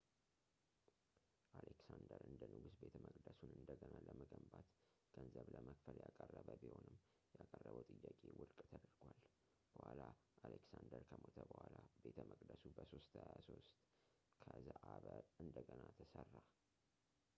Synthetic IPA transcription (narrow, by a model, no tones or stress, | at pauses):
ʔaleksand̪əɾɨnd̪ənɨɡusbe̞t̪ʰəməkʼd̪əsunɨnd̪əɡənaləməɡəmbat̪ | ɡ̥ənzəβləməkfəljakʼərːəβəbiho̞nɨmː | jakʼərːəβəwt̪ʼɨjːakʼewʊɾkʼt̪ʰəd̪ɾɡwal | b̥əhwʷalaaleksand̪əɾkʰəmot̪ʰəbəhʷwalabe̞t̪ʰəmʔəkʼd̪əsubəso̞st̪hajasost̪ | kʰəzəʔaβəɨnd̪əɡənat̪ʰəsərːa